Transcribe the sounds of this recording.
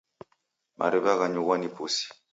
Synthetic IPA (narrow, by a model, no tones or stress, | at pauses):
mʔa̰ɾɛβaɣaɲuɣanipusi̥